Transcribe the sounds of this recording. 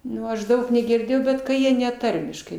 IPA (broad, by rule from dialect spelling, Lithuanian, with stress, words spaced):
ˈnʊ ɐʃ ˈdɐʊk nʲɛɡʲɪrʲˈdʲeːjɛʊ ˈbʲɛt kɐ ˈjiɛ nʲɛ ˈtɐrʲmʲɪʃkɐɪ